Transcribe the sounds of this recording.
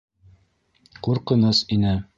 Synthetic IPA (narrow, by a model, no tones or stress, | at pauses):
quɾqɤ̆nɤsinɘ